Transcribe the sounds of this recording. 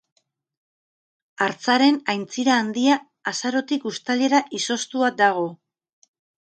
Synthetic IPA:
aɾt͡saɾe̞najnt͡siɾaːnd̪iaː | saɾo̞t̪ikust̪ale̞ɾaʔiso̞st̪uad̪aɣ̞o̞

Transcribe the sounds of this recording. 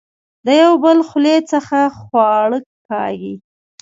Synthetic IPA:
d̪əjawbəlxlet͡səxaxwɑɽək̚kɑ̰ɡḭ

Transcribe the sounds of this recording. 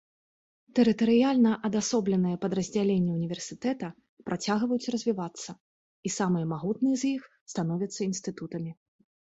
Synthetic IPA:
t̪ɛɾɨt̪ɐɾɨjalʲnɐʔɐd̪asɔblʲɛnɨjɐpɐd̪rɐzʲd͡zʲalʲenʲːɛunʲivʲɛrsʲɨ̥t̪ɛt̪ɐ | pɾʔat͡sʲaɣvɐjut͡sʲrɐzʲvʲivat̪sːɐ | isamɨjɐmaɣut̪nɨjɛzʲjix | st̪anɔvʲɐt̪sːɐinst̪ɨt̪ut̪ɐmʲi

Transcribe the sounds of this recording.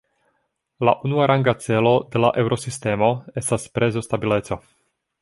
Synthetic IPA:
laʔunuaɾʔaŋɡat͡se̞lo̞de̞laʔe̞wɾʔo̞siste̞mo̞e̞staspɾʔe̞zo̞stabile̞t͡so̞

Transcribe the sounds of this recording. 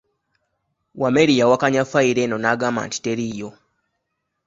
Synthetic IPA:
wameɾijawakaɲafaiɾenonaɡama̰nti̥teɾijo

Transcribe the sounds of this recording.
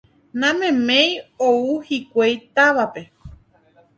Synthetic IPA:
nãmẽmẽjouhikʷejt̪aʋape̞

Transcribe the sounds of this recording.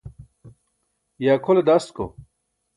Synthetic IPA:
jaːkʰoled̪ast̪ko̰

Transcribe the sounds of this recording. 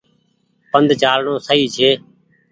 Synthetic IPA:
pənd̪t͡ʃaːlɳõːsəiːt͡ʃʰeː

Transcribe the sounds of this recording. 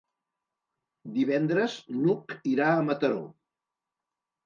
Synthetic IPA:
d̪iβɛnd̪ɾəznukiɾaəmət̪əɾo̰

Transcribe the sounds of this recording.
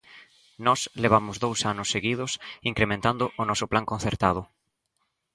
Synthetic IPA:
nɔsleβamʊzðowsanʊsːeɣið̞ʊsiŋkɾemẽnt̪and̪ʊʔʊnɔsʊplaŋkõnθeɾt̪að̞ʊ

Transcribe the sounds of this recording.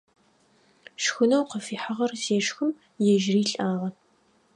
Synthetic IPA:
ʂxʊnɐwqəfiːħaʁɐrzeːʂxɨm | jɛʒriːɬʼaːʁɐ

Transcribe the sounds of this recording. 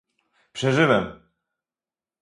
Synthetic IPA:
pʂɛʐɘvɛm

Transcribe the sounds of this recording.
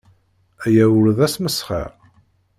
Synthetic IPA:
æjæwəɾðæsməsχə̰ɾ

